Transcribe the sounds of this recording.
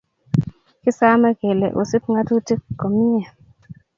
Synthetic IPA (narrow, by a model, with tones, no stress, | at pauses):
kɪ˦sa˦mɛ˦ɡe˨lḛ˨ʔo˨si˦pŋa˦tu˦ti˦kːo˨mi˦ɛ˨